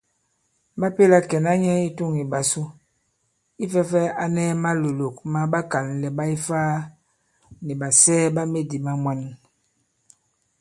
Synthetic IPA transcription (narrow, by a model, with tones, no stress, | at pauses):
ba˦pe˦la˦kɛ˨na˦ɲɛ˦i˦tu˦˨ŋi˨ba˨su˦ | i˦fɛ˦fɛ˦a˦nɛː˦ma˦lo˨lo˨kma˦ba˦ka˨nlɛ˨ba˦i˦faː˦ | ni˨ba˨sɛː˦ba˦me˦di˨ma˦mwa˦n˦